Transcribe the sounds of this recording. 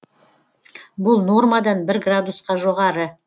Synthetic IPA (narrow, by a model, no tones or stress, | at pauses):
bʊlˠno̞rmad̪ɑnbɪɾɡrad̪usqɑʒo̞ʁɑɾə